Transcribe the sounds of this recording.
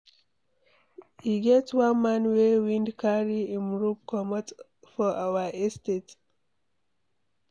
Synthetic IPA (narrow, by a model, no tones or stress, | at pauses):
hiɡɛtswãnmãnwewĩndkʰaɹiĩmɹup̚kɔmət | fɔʔawəɛstet